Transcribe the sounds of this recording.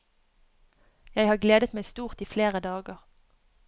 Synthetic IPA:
jæɪhɑːɡleːd̪ət̪mæɪst̪uːʁt̪iːfleːʁəd̪ɑːɡəʁ

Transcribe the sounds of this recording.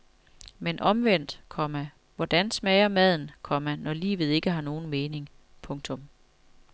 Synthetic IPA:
menʔɒ̽mʋen̰d̥kʰɒ̽mæ | ʋɒd̥ænsmɛɪɐmæð̞̰ˠn̩kʰɒ̽mænɒlḭːʋð̞̩ˠe̝ɡ̥əɦɑ̈no̝ːn̩me̝ːne̝ŋ | pʰɔ̽ŋt͡sʰɔ̽m

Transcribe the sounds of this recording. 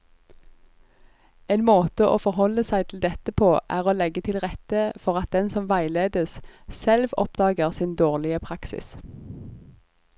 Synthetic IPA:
eːnmoːt̪əʔoːfɔʁhɔlːəsæɪt̪ʰl̩d̪ɛt̪əpʰoːʔæːʁoːlɛɡət̪ʰɪlʁɛt̪əfɔʁɑt̪̚d̪ɛnsɔmʋæɪleːd̪əssɛlʋɔ̰pd̪ɑːɡəʁsɪnd̪oːʁlɪəpʰʁɑksɪ̰s

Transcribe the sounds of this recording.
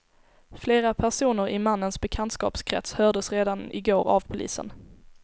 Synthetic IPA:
fleːɾapʰæʂuːnəɾʔɪmanːənsbɛkʰant̪skɑ̰ːpskʰɾɛ̰t̪shœːd̪əsɾeːd̪anɪ̰ɡoːɾa̰vpʰʊlḭːsə̰n

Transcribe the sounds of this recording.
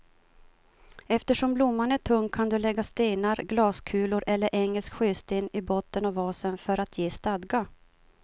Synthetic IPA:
ɛft̪əʂɔmblʊmːaɳæʈʰɵŋkʰːand̪ɵlɛɡːast̪eːnaɾɡlɑːskʰʉ̟ːlʊɾʔɛlːəɾʔɛŋːəlskɧʏːst̪eːnɪbɔt̪ːənɔvɑːsənfœɾat̪ʰjeːst̪ad̪ɡa

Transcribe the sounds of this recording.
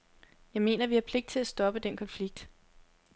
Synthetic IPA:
jɑ̈ɪme̝̰ːnɐʋihɑ̈pʰle̝ɡ̥d̥̚t͡sʰe̝læsd̥ɒ̽b̥əd̥enkʰɒ̽nfliɡ̥̚d̥

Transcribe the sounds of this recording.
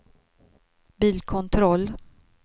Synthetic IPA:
biːlkʰɔnt̪ʰɾɔlː

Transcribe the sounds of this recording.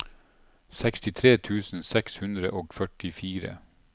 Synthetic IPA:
sɛkst̪ɪt̪ʰɾeːt̪ʰʉːsn̩sɛkshʉnd̪ɾə̰ʔoːɡfœʈɪfiːɾə̰

